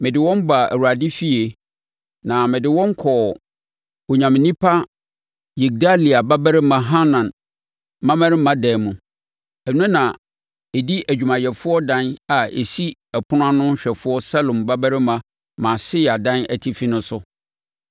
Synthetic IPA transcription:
mɪ̃˨dɪ˨wɔ̃˦mba˨æ̰˨wu˨a˨dɪ˦fi˦e˨ | nã˨mɪ̃˨dɪ˨wɔ̃˦ŋ˦kʰɔ˨ | o˨ɲã˨mɪ̃˨nĩ˦pʰa˦ | ji˨k̚da˦li˨a˨ba˦bæ˦ɾɪ˦mã˨ɦa˦nã˨n | mã˦mæ̃˦ɾɪ˦mã˦dɛ˨mũ˨ | ɛ˨n˦ũ˦nã˨ | e˨di˦ʔæ˨d͡ʑᶣu˨mã˨jɛ˨fʊ˦ɔ˦dã˦na˨ʔḛ˨si˦ɛ˨pʰʊ˦n˦ã˦nʊ̃˦ɕᶣɛ˨fʊ˦ɔ˦sa˦lõ˨mba˦bæ˦ɾɪ˦mã˦ | mã˨sɪ˦a˨dã˦næ̰˨tʰi˦fi˦nʊ̃˦sʊ˦

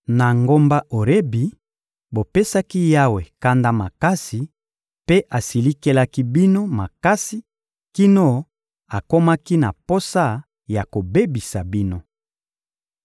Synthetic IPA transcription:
na˨ŋɡo˦mba˦ʔo˨ɾe˦bi˨ | bo˨pe˦sa˦ki˦ja˦we˨ka˦nda˦ma˨ka˦si˨ | pe˦ʔa˨si˨li˦ke˦la˦ki˦bi˦no˦ma˨ka˦si˦ | ki˦no˦ | a˨ko˦ma˦ki˦na̰˨po˦sa˦˨ | ja˨ko˨be˦bi˨sa˨bi˦no˦

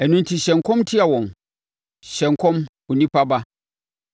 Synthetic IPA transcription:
ɛ˨nʊ̃˦n˦tʰi˨ɕɛ̃˨ŋ˨kʰɔ̃˦mtʰɪ˦a˨wɔ̃˨n | ɕɛ̃˨ŋ˨kʰɔ̃˦m | ʊ˨nĩ˦pa˦ba˦

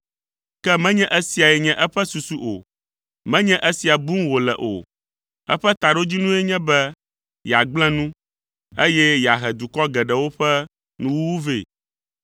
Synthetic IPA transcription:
kɛ˦mɛ̃˦ɲɛ̃˦ʔɛ˦si˨a˨jɛ˨ɲɛ̃˦ʔɛ˦ɸɛ˦su˨su˨ʔo̰˨ | mɛ̃˦ɲɛ̃˦ʔe˦si˨a˨bu˦ŋwo˨lɛ̰˨ʔo̰˨ | ɛ̰˦ɸɛ˦t̪a˨ɖo˦d͡ʑi˦nũ˦ɛ˦ɲɛ̃˦bɛ˦ | ja˨ɡ͡bl̃ɛ̃˦nũ˦ | e˦jɛ˦ja˨ɦɛ˨d̪u˨kɔ˦ɡɛ˨ɖɛ˨wo˦ɸɛ˦ | nũ˦wu˦wu˦vḛ˦˨

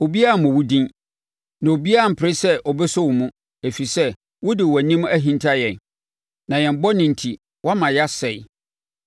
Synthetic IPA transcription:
o˨bi˦a˦a˨mʊ̃˨wu˦dĩ˦n | nã˨o˨bi˦a˦a˨m̩˨pʰɪ˨ɾɪ˦sɛ˦ʔɔ˨bɛ˦sʊ˦wʊ˨mũ˦ | e˨fi˨sɛ˦ | wʊ˦dɪ˨wɔ˨æ˨nĩ˦m˦æ˦ɦĩ˦ntʰa˦jɛ̃˨n | nã˨jɛ̃˨m˨˦bɔ˦nɪ̃˨n̩˨tʰi˨ | wʔa˦mã˨ja˦sɛ˨j

